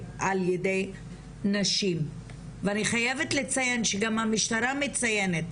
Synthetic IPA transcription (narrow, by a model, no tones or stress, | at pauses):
ʔaljede̞j | naʃim | veaniχajevetlet͡sajenʃeɡamhamiʃtaɾamit͡saje̞net